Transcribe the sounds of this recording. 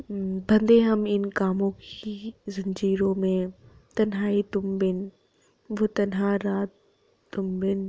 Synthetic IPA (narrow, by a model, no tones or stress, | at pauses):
bʱɐ̃nd̪eɦɐmɪnkaːmõkizɐ̃ɲd͡ʒiːɾõmẽt̪ɐnɦaːit̪ʊmbɪn | ʋot̪ɐnɦaːɾaːt̪ | t̪ːʊmbɪn